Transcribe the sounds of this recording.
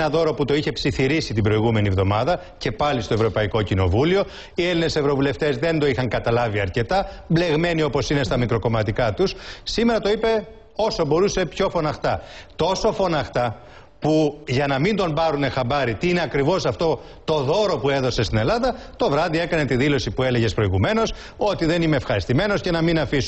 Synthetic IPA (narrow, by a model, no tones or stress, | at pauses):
nɐðo̞ɾo̞put̪o̞içe̞psiθiɾisit̪ibɾo̞iɣume̞nievðo̞mɐðɐ | ce̞pɐlist̪o̞evɾo̞pɐiko̞cino̞̰vulio̞ | ieline̞se̞vɾo̞vule̞ft̪e̞zðe̞nd̪o̞ixɐŋkɐt̪ɐlɐviɐɾce̞t̪ɐble̞ɣme̞niopo̞sine̞st̪ɐmikɾo̞ko̞mɐt̪ikɐt̪ussime̞ɾɐt̪o̞ipe̞ | o̞so̞bo̞ɾuse̞pço̞fo̞nɐxt̪ɐt̪o̞so̞fo̞nɐxt̪ɐ | puʝɐnɐmind̪o̞mbɐɾune̞xɐbɐɾit̪iineɐkɾivo̞sɐft̪o̞ | t̪o̞ðo̞ɾo̞pue̞ðo̞se̞st̪ine̞lɐðɐt̪o̞vɾɐðie̞kɐne̞t̪iðilo̞sipue̞le̞ʝe̞spɾo̞iɣume̞no̞s | o̞t̪iðe̞nime̞ːfxɐɾist̪ime̞no̞sce̞nɐminɐfisun